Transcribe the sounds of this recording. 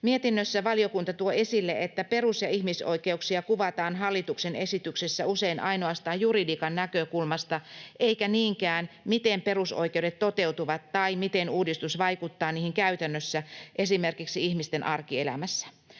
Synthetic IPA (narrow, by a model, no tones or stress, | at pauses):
miet̪inːøsːæʋɑliokunt̪ɑt̪uoe̞silːeʔet̪ːæpe̞rusjɑihmiso̰ikeuksiɑkuʋɑt̪ɑːnɦɑlːit̪uksenesit̪yksesːæuseinʔɑ̰inoɑst̪ɑːjjuridiːkɑnnækøkulmɑst̪ɑʔeikæniːŋkæːnmit̪empe̞ruso̰ikeuwdet̪t̪ot̪eut̪uʋɑt̪tɑimit̪enuːdist̪usʋɑikut̪ːɑːniːhiŋkæyt̪ænːøsːæʔesimerkiksiihmist̪enʔɑrkielæ̰mæsːæ̥